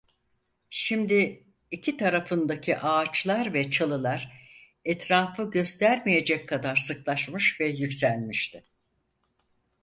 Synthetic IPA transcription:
ʃimd̪ɪ | icʰit̪ʰaɾafɯnd̪acʰiʔaːt͡ʃlˠaɾvɛt͡ʃʰalˠɯlˠaɾ̥ | ɛt̪ʰɾaːfɯɟø̞st̪ʰæɾmije̞d͡ʒɛckʰːad̪aɾsɯklˠaʃmɯʃvɛjycsælʲmiʃt̪ʰɪ

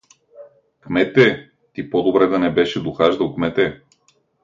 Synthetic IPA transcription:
kmɛt̪ɛ | t̪ipɔd̪obɾɛd̪ɐnɛbɛʃɛd̪oxaʒd̪ɐlˠkmɛt̪ɛ

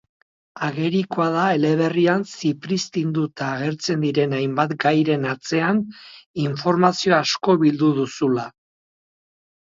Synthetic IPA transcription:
aɣe̞ɾiko̞aðaele̞β̞e̞riansipɾist̪ind̪ut̪aːɣ̞e̞ɾt͡se̞nd̪iɾe̞najmbat̪ɡajɾe̞nat͡se̞aniɱfo̞ɾmasio̞asko̞βild̪uðusula

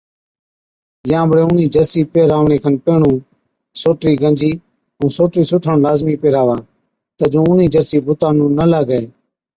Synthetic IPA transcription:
jãːbəɽeːʊniːd͡ʒəɾsiːpeːɾaːʋɳeːkʰənpeːɳũː | soːʈɾiːɡənd͡ʒiː | ũːsoːʈɾiːsʊʈʰəɳlaːzmiːpeːɾaːʋaː | t̪əd͡ʒõːʊniːd͡ʒəɾsiːbʊt̪ãːnũːnəlaːɡəeː

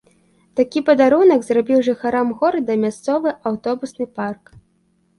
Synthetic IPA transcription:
t̪akʲipɐd̪aɾunɐɡzrabʲiwʐɨxaɾamɣɔɾd̪ɐmʲast̪sɔvɨʔawt̪ɔbusnɨpark

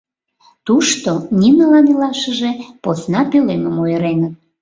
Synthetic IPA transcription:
t̪uʃt̪onʲinəlɑnilɑʃəʒeposnɑpeleməmojəɾenət̪̚

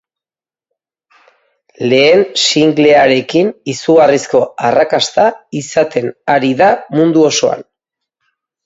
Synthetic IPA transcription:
le̞ːnsiŋɡle̞aɾe̞kinisuɣarisko̞arakast̪aisat̪ʰe̞naɾiðamund̪uo̞so̞a̰n

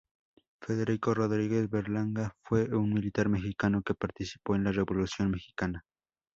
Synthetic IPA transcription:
feðeɾikorod̪ɾiɡesbeɾlaŋɡafweuŋmilit̪aɾmexikanokepaɾt̪ɪsi̥poenlaɾebolusjonmexi̥kana

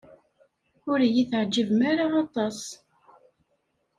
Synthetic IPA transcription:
ʊɾjiθʕd͡ʒːəvmaɾaɑt̪ˤɑs

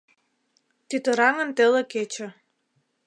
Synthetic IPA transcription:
t̪yt̪ə̆ɾɑŋə̆nt̪elĕket͡ɕə̆

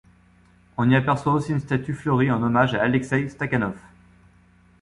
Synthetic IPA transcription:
ɔ̃niapɛʁswaosiynst̪at̪yfløʁiɑ̃nɔmaʒaːlɛksɛjst̪akanɔf

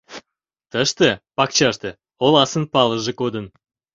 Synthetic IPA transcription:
t̪əʃt̪əpɑk̚t͡ɕɑʃt̪ə̆ | olˠɑsənpɑlˠəʒə̆kod̪ə̆n

